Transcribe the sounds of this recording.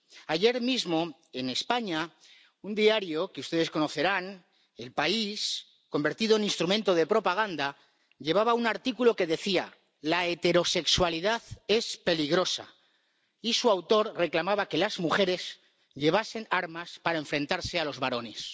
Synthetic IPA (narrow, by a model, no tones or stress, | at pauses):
aʝe̞ɾmizmo̞ | e̞ne̞spaɲa | und̪iaɾjo̞keust̪e̞ð̞e̞sko̞no̞θe̞ɾan | e̞lpais | ko̞mbe̞ɾt̪iðo̞enĩnst̪ɾument̪o̞ðe̞pɾo̞paɣ̞and̪a | ʎe̞β̞aβaunaɾt̪ikulo̞ke̞ðe̞θia | laet̪e̞ɾo̞se̞kswaliðaðe̞spe̞liɣɾo̞sa̰ | isuawt̪o̞ɾre̞klamaβake̞lazmuxe̞ɾe̞s | ʎe̞βase̞naɾmaspaɾae̞ɱfɾe̞nt̪aɾse̞alo̞zβaɾo̞ne̞s